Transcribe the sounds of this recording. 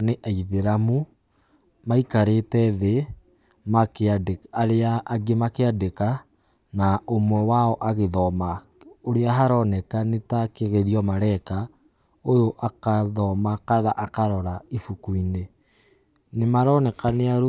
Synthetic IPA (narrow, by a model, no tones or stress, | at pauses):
neʔaiβeɾamu | maikaɾetɛðe | makeadaɾeaːɡemakeadeka | naomwɛwaɔʔaɣeðɔmaoɾeaɦaɾɔnɛkanetakeɣeɾiɔmaɾɛka | ojoʔakaðɔmakaðaʔakaɾɔɾaifukuine | nemaɾɔnɛkaneaɾo